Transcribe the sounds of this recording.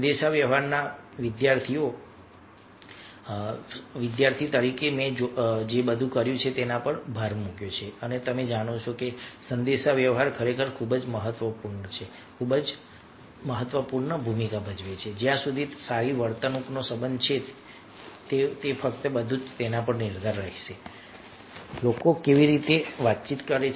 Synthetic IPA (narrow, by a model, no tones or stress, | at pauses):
əd̪eʃaʋjəʋɦaɾnaʋɪd̪jaɾt̪ʰio | ʋɪd̪jaɾt̪ʰit̪əɾikemẽd͡ʒd͡ʒebəd̪ʱũkəɾjũt͡ʃʰet̪enãpəɳbʱaɾmũkjot͡ʃʰeənet̪əmed͡ʒaɽ̃ot͡ʃʰokesənd̪eʃaʋjəʋɦaɾkʰəɾekʰəɾkʰubəd͡ʒməɦət̪ʋəpuɾɳət͡ʃʰe | kʰubəd͡ʒ | məɦət̪ːʋəpuɾɳəbʱumikabʱəd͡ʒʋet͡ʃʰed͡ʒjãsud̪ʱisaɾiʋəɾt̪ənuknosəbənd̪t͡ʃʰe | t̪et̪efək̚t̪əbəd̪ʱũt̪enapəɳniɾd̪aɾːəɦiʃe | lokokeʋiɾit̪eʋat̪̚t͡ʃit̪kəɾe